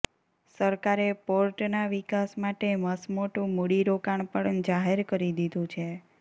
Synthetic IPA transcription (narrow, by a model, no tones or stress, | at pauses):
səɾkaɾepoɾʈnaʋikasmaʈeməsmoʈũmoɽiɾokaɳ̃pəɽnd͡ʒaɦeɾkəɾid̪id̪ʱũt͡ʃʰe